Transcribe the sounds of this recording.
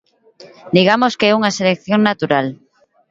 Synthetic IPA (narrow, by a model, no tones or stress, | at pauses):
d̪iɣamoskeɛuŋaselekθjoŋnat̪uɾal